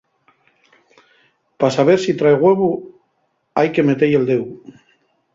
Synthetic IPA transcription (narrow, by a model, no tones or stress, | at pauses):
pasaβ̞eɾsit̪ɾajɣweβu | ajkemet̪ejeld̪ew